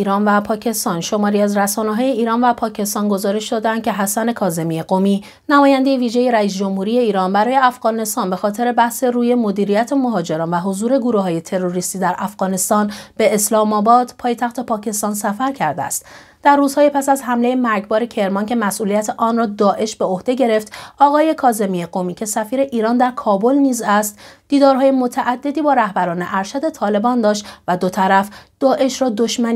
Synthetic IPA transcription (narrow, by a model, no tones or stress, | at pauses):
iːɾɒːnvæpʰɒːcʰe̞st̪ɒnʃo̞mɒːɾiæzræsɒːneɦɒːje̞iːɾɒːnvæpʰɒːcʰe̞st̪ɒnɡo̞zɒːɾe̞ʃd̪ɒːd̪eænd̪̚cʰeɦæsæne̞kʰɒːze̞mieɡo̞miː | næmɒːjænd̪e̞jeviːʒe̞je̞ɾæiːs̬d͡ʒo̞mhuːɾije̞iːɾɒːnbæɾɒːje̞æfɣ̥ɒːne̞st̪ɒːnbe̞xɒːt̪ʰe̞ɾe̞bæhse̞ruːje̞mo̞d̪iːɾijæt̪ʰemo̞ɦɒːd͡ʒe̞ɾɒːnvæɦo̞zuːɾe̞ɡoɾuɦɒːje̞t̪ʰe̞ɾo̞ɾist̪iːd̪æɾʔæfɣ̥ɒːne̞st̪ɒːnb̥e̞ːslɒːmɒːbɒːd̪̥pʰɒːjet̪ʰæxt̪ʰe̞pʰɒːcʰe̞st̪ɒnsæfæɾcʰæɾd̪eæ̰st̪ | d̪̥æɾːuːz̥hɒːjepʰæsæzhæmle̞jemæɾɟbɒːɾe̞cʰe̞ɾmɒncʰe̞mæsʔuːlijæt̪ʰeʔɒːnrɒːd̪ɒːʔe̞ʃb̥e̞o̞hd̪e̞ɟe̞ɾe̞ft̪ɒːɣɒːje̞kʰɒːze̞mijeɣomiːcʰe̞sæfiːɾe̞ʔiːɾɒːnd̪æɾkʰɒːbo̞lniːzæst̪d̪̥iːd̪ɒːɾɦɒːjemo̞t̪ʰæʔæd̪ːe̞d̪iːbɒːɾæhbæɾɒːne̞ʔæɾʃæd̪e̞t̪ʰɒːle̞bɒːnd̪ɒːʃt̪væd̪o̞t̪ʰæɾæfd̪̥ɒːʔe̞ʃɾɒːd̪o̞ʃmæni